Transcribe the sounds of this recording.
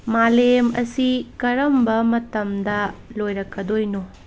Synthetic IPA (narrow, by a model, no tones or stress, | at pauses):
malemɐ̰sikɐɾɐmbɐmɐtɐmdɐlojɾɐkːɐdojno